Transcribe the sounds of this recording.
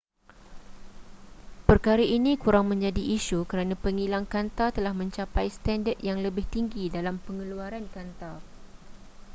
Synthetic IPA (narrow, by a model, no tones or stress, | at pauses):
pərkaɾaʔinĩkuɾaŋmə̃ɲd͡ʒadiʔːʃukəɾanãpəŋilaŋkant̪at̪əlahmə̃ɲt͡ʃapajst̪andət̪̚jaŋləbɪht̪iŋɡidalampəŋəluaɾankant̪ar